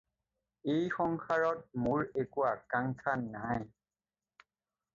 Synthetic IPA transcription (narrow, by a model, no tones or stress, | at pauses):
ejxɔŋkʰaɹɔt̚mʊɹekuwakaŋkʰanːaj